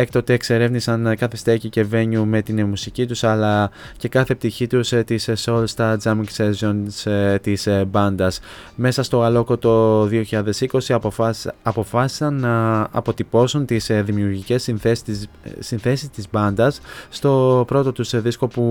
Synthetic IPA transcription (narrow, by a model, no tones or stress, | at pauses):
ek̚t̪ot̪eːkse̞ɾe̞vnisɐnkɐθest̪ecice̞ve̞ɲume̞t̪inmusicit̪usɐlɐ | ce̞kɐθe̞p̚t̪içit̪ust̪isso̞lst̪ɐzɐmiŋksezonst̪isbɐnd̪ɐsme̞sɐst̪o̞ɣɐlo̞kot̪o̞ðio̞çiʎɐðe̞siko̞si | ɐpo̞fɐsi̥sɐnːɐːpo̞t̪ipo̞sunt̪isðimiuɾʝice̞sinθes | sinθe̞sist̪izbɐnd̪ɐsːt̪o̞pɾo̞t̪o̞t̪usðisko̞pu